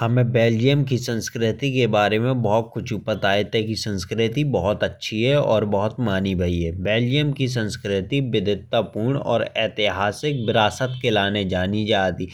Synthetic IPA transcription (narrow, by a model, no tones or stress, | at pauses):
hɐmẽbeːld͡ʒijəmkisə̃nskɾɪt̪ikebaːɾemẽbɔɦʊt̪̚kʊt͡ʃʰupət̪aːet̪ɛkisə̃nskɾɪt̪ibɔɦɔt̪ɐtːʃʰiɦɛɔːɾbɔɦɔt̪maːnibʱɐiɦɛbeːld͡ʒijəmkis̬ə̃nskɾɪt̪ibɪd̪ʱɪt̪ːapuːɾɳ̃ɔ̰ːɾɛ̰ːt̪ɪɦaːsɪk̚bɪɾaːsət̪̚kelaːned͡ʒaːnid͡ʒaːt̪i